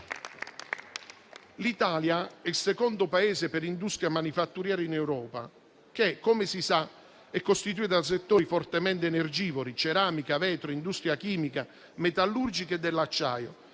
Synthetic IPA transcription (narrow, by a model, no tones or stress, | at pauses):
lit̪aːljaɛilsekɔnd̪ʊpaeːzɪpeɾind̪ust̪ɾjamanifat̪ːuɾjaːɾɪinɛwɾɔːpa̰ | keɛkːɔmɪsisa | ɛkːost̪it̪̬uit̪as̬et̪ːoːɾifɔrt̪emɛnt̪ɪɛnerd͡ʒiːvoɾit͡ʃeɾaːmikavɛːt̪ɾoind̪ust̪ɾjakiːmika | met̪alːurd͡ʒikɛd̪ːɛlːat͡ʃːa̰ːjo̰